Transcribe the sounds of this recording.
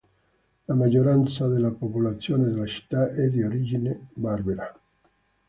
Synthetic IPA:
lamad͡ʒːoɾant̪sad̪elːapopolat̪sːjoːned̪elat͡ʃi̥t̪ːaʔɛd̪ioɾid͡ʒinebarbeɾa

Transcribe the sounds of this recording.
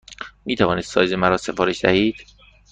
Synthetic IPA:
miːt̪ʰævɒːniːssɒ̰ːjzemæɾɒːse̞fɒːɾeʃd̪æ̰hiːd̪̥

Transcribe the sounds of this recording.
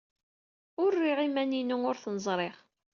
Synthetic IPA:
ʊrːiʁimæninuʊɾθnəzˤɾˤeʁ

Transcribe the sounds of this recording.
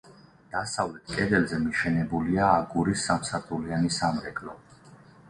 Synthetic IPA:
d̪̥asavlɛt̪ʰkʼɛd̪ɛlzɛmiʃɛnɛbuliaːɡuɾisːamsat̪ʼulianisamɾɛkʼlɔ

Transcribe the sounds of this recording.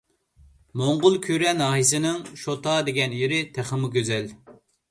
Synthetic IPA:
moɴʁʊlˠkʲʰyɾɛnɑːɦisɪnɪŋʃot̪ɑd̪eɡʲɛnjeɾɪt̪ʰæχəmʊɡʲøzɛl

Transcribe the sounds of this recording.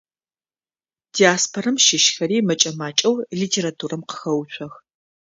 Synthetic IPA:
d̥iaːspʰorɐmʃɪʃxɐɾiːmɐt͡ʃʼɐmaːt͡ʃʼɐwliːtʰeːɾatʰuːrɐmqə̥xɐwt͡ʃʷʰɔx

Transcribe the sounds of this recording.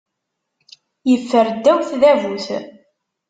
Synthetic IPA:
jəfːəɾd̪ːæwθðævuθ

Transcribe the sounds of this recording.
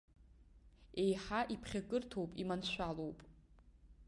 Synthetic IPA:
e̞jħaʔipʰχʲaɡʼɨrtʰowpʼimanʃʷᶣalowpʼ

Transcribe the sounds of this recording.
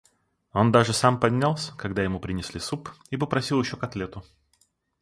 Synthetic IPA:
o̞nd̪aʐɨsampɐdʲnʲalˠsʲə̥kɐɡd̪ajɪmupɾʲɪnʲɪsʲlʲisupipəpɾɐsʲilˠjɪɕːokɐt̪lʲet̪ʊ

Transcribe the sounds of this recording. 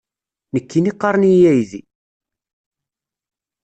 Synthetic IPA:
nəkːiniqːɑɾˤnijæjði

